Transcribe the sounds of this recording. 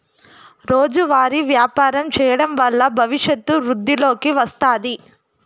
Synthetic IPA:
ɾo̞ːd͡ʒuʋaːɾiʋjaːpaːɾɐmt͡ʃɛːjɐɽɐmʋɐlːɐbʱɐʋiʂjɐt̪ːuʋɾud̪ːilo̞ːkiʋɐst̪aːd̪i

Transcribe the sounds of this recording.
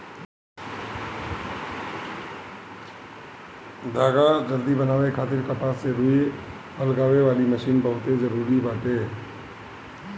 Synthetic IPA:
d̪ʱaːɡad͡ʒəɾd̪ibənaːʋekʰaːt̪ɪɾkapaːsseɾʊi | əlɡaːʋeʋaːliməʃiːnbəɦʊt̪ed͡ʒəɾuːɾibaːʈ̪eː

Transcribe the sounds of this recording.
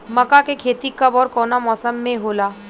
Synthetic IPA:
mɐkakekʰeːt̪ikɐbɔːɾkɔːnamɔːsəmːẽɦoːlaː

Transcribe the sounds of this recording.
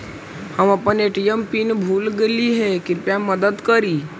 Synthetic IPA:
həməpəneʈijəmpinbʱuːlɡeliɦɛkɪɾpjaməd̪əd̪kəɾi

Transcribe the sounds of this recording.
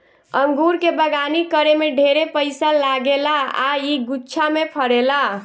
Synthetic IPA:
əŋɡuɾkebəɡanikəɾemeɖʱeɾepəɪsalaɡelaaiɡutːt͡ʃʰamepʰəɽela

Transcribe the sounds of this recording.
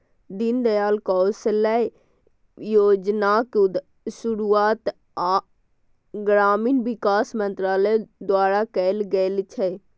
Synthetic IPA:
d̪ɪnd̪əjaːlkɔːsələ | joːd͡ʒnak̪ | ʃʊɾuaːt̪ | a | ɡɾaːmiːnʋɪkaːsmə̃nt̪ɾaːləd̪waːɾakɛlɡɛlt͡ʃʰɛ

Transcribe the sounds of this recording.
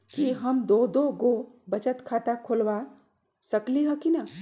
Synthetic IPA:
kiɦəmd̪oːd̪oɡobət͡ʃət̪kʰaːt̪akʰolʋa | səkliɦəkinɐ

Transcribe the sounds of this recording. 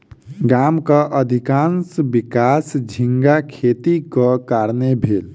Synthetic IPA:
ɡamkəʔəd̪ʱikansbikasd͡ʒʱiŋɡakʰet̪ikəkaɾnebʱel

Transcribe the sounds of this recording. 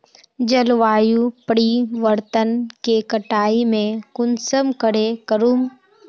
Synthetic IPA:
d͡ʒəlʋaːjupəɽiʋəɾt̪ənkekəʈaːimẽkʊnsəmkəɽekəɾuːm

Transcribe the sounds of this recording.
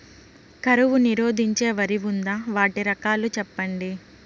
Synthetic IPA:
kɐɾuʋuniɾoːd̪ʱiɲt͡ʃe̞ːʋɐɾiʋund̪aːʋaːʈiɾɐkaːlut͡ʃɛpːɐɳɖi

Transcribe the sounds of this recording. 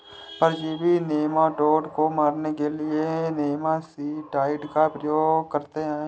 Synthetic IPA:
pɐɾd͡ʒeːbʱineːmaɖoːɖkomaːɾnekelɪeneːmasiʈaːɪɖkapɾəjoːɡkɐɾt̪eɦɛ̃

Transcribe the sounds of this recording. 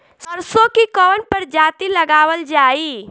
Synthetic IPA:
səɾsokikəənpəɾd͡ʒaːt̪iləɡaːwəld͡ʒaːi

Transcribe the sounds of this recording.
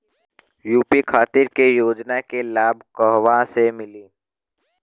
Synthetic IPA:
juːpikʰaːt̪ɪɾkejoːd͡ʒnakelaːbʱkəɦʋasemɪliː

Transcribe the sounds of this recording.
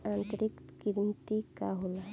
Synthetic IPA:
ãːnt̪əɾɪkt̪kiɾnt̪ikaɦoːla

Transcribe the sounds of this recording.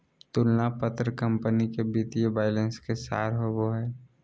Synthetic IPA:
t̪ʊlnapət̪ɾkə̃mpənikebiːt̪ijəbaːɪlə̃nskesa̰ːɾɦoboɦɛː

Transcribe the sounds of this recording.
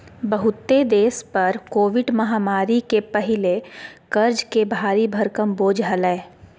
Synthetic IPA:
bəɦʊt̪ːed̪eːspɐɾkoːʋɪɖmɐɦaːmaːɾikepɐɦɪlekɐɾd͡ʒkebʱaːɾibʱɐɾkəmboːd͡ʒɦɐlɛ̃ː

